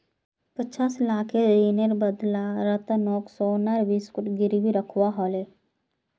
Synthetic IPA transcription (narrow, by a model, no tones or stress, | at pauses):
pət͡ʃaːslaːkʰediːneɾbəd̪laɾət̪nɔːksonaɾbiːskʊʈɡɪɾibiɾəkʰwaɦɔːle